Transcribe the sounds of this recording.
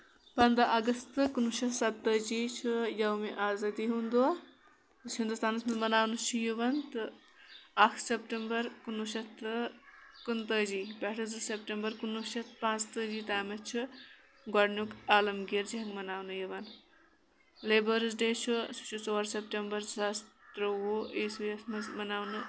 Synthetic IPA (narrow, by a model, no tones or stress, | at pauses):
pɐnd̪ɾɐʔɐɡɐst̪ɨkunuʃɐsɐt̪ːəd͡ʒiːt͡ʃʰujɐwmeʔaːzɐd̪iɦund̪ua | t̪ɨɦind̪ust̪aːnɐsmɐmɐnaːwnut͡ʃʰujuʋɐnt̪ɨ | ɐkʰsepʈembɐɾkunuʃɐt̪ɨkunt̪əd͡ʒiːbɛʈʰɨzɨsepʈembɐɾkunːuʃɐt̪ʰpãːt͡st̪əd͡ʒiːt̪aːmɐt͡ʃʰu | ɡɔɖnukaːlɐmɡiɾd͡ʒiɦɐŋɡmɐnaːwnɨjiʋɐn | lebəɾz̬ɖet͡ʃʰusu̥t͡ʃʰut͡soɾsep̚ʈembɐɾzast̪ɾɐwuisijɐsmɐzmɐnaːwnɨ